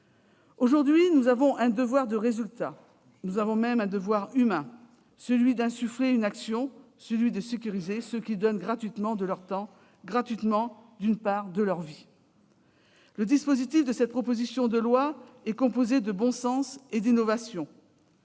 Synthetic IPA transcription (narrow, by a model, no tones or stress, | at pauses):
oʒuʁd̪ɥinuzavɔ̃ʔɛ̃d̪əvwaʁd̪əʁezylt̪a | nuzavɔ̃mɛmɛ̃d̪əvwaʁymɛ̃ | səlɥid̪ɛ̃syfleynaksjɔ̃ | səlɥid̪əsekʲyʁizesəkʲid̪ɔnɡʁat̪ɥit̪mɑ̃d̪əlœʁt̪ɑ̃ | ɡʁat̪ɥit̪mɑ̃d̪ynpaʁd̪əlœʁvi | ləd̪ispozit̪ifd̪əsɛt̪̚pχɔpozisjɔ̃d̪əlwaɛkɔ̃pozed̪əbɔ̃sɑ̃sed̪inɔvasjɔ̃